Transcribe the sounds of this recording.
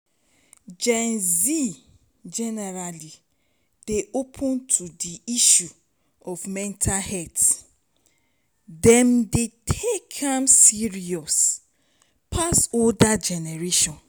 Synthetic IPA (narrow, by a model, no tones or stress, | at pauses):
d͡ʒɛ̃nzi | d͡ʒɛnɛɹali | d̥eʔopʰɔ̃ntʰudiiʃu | ɔfmɛ̃ntʰahɛt | dɛ̃mdetʰekʰãmsiɹiɔs | pʰasoldad͡ʒɛnɛɹeʃɔ̃n